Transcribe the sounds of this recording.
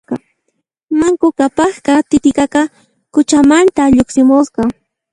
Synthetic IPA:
ɑ | maŋkʊkapɑχkat̪ɪt̪ɪkɑkɑ | kʊt͡ʃamant̪aʎoksɪmʊsqɑ

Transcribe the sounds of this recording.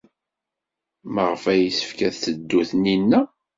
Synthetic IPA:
məʁəfæjisə̥fkæθθəd̪ːuθninːæ

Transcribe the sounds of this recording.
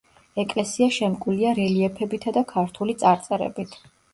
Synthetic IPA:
ɛkʼlɛsiaʃɛmkʼuliaɾɛliɛpʰɛbit̪ʰad̪akʰaɾt̪ʰulit̪sʼaɾt̪sʼɛɾɛ̰bit̪ʰ

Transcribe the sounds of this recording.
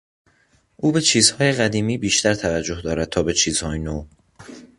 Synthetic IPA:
ʔuːbe̞t͡ʃʰiːz̥hɒːjeɣæd̪iːmiːbiːʃt̪ʰæɾt̪ʰævæd͡ʒːohd̪ɒːɾæd̪̚t̪ʰɒːbe̞t͡ʃʰiːz̥hɒːjenoː

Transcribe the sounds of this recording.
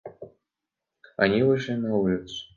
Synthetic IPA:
a̰nʲivɨʂlʲinɐulʲɪt̪sʊ̥

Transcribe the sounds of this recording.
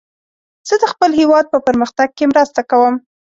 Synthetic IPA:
z̥əd̪əxpəlhewɑd̪̚pəpəɾməxt̪aɡ̚kemɾast̪akawəm

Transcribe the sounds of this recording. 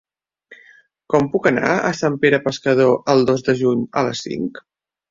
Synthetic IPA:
kɔmpukəna̰ə̰sampeɾəpəskəð̞oʔəlˠd̪ozd̪əʒuɲələsːḭŋk

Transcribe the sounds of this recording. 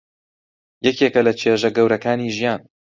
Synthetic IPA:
jɛkeːkɐlɐt͡ʃʰeːʒɐɡɐwɾɐkaːniːʒijaːn

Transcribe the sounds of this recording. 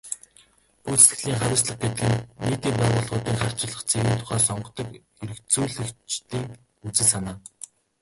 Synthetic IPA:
ut͡sɘ̥̆ɡɘ̥̆ɮiːŋχaɾʲɪ̆ːsɮə̆χ̚ɡet̪ɘ̆ɡɘ̆nneːt̪iːmpæːʁʊːɮʁʊːt̪iːŋχar̥t͡ɕɪ̆ɮə̆χt͡sʰeɣiːnt̪ʰʊ̥χæːsɔɴɢɞ̆t̪ɞ̆k | eɾɘ̆kt͡suːɮɘ̆kt͡ɕt̪iːŋ | ut͡sɘ̆ɮsanaː

